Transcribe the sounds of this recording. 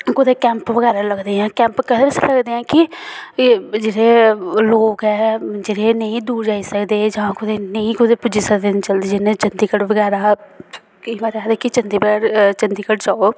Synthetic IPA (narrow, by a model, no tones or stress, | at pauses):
kʊd̪eːkɛ̃ːmpʋəɡɛːɾaːləɡd̪eːɦɛ̃ːkɛ̃ːmpkəd̪eːəseləɡd̪eːɦɛ̃ːkɪ | d͡ʒeːɽeːloːkɦɛːd͡ʒeːɽeːnəĩːd̪uːɾd͡ʒaːiːsəkd̪eːd͡ʒãːkʊd̪eːnəĩːkʊd̪eːpʊd͡ʒiːsəkd̪eːnt͡ʃəld̪iːd͡ʒɪnẽːt͡ʃənd̪iːkəɽʋəɡɛːɾaː | imaːɾaːd̪ɛːkit͡ʃənd̪iːbəɛːɾt͡ʃənd̪iːkəʈd͡ʒaːoː